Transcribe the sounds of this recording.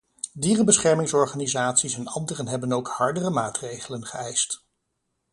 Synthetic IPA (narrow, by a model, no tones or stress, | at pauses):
diːrəbəsχɛɹmɪŋsɔɹχaːnizaːtsisɛnɑ̰ndərənɦɛbənowkhɑɹdərəmaːtrejχələnχəɛjst